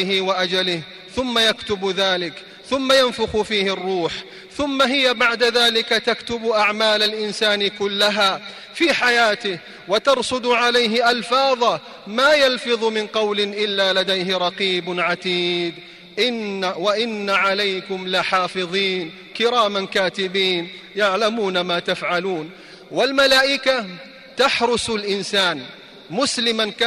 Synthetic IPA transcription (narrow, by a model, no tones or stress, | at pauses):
ɪɦɪwaʔad͡ʒalɪh | θʊmːajakt̪ʊbðaːlɪk | θʊmːajanfʊxʊfiːhɪrˤːuːħ | θʊmːaɦɪjabaʕd̪aðaːlɪkat̪akt̪ʊbʔaʕmaːlalʔɪnsaːnɪkʊlːaɦaː | fiːħajaːt̪ɪh | wat̪ɑɾˤsˤʊd̪ʕalajɦɪʔalfɑːðˤɑ | maːjalfɨðˤmɪnqɑwlɪʔɪlːaːlad̪ajɦɪɾˤɑqiːbʕat̪iːd̪ | ʔɪwaʔɪnːaʕalajkʊmlɪħɑːfɨðˤiːn | kɪɾaːmankaːt̪ɪbiːn | jaʕlamuːnamaːt̪afʕaluːn | walmalaːʔɪka | t̪aħɾʊsʊlʔɪnsaːn | mʊslɪmank